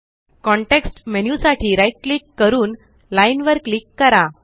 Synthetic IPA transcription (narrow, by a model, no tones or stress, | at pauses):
kɔ̃ɳʈeksʈmenjusaʈʰiːɾajʈ̚klikːəɾuːn | lainʋəɾklikːəɾa